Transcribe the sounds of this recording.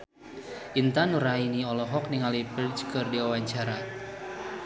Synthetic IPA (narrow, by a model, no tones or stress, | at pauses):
ʔint̪anuɾainiɔlɔɦɔk̚niŋalipərt͡ʃkɨrdiwawaɲt͡ʃaɾa